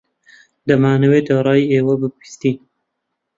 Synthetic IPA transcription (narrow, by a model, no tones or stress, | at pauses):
d̪ɐmaːnɐweːd̪aɾˤɑːjeːwɐbɨpist̪iːn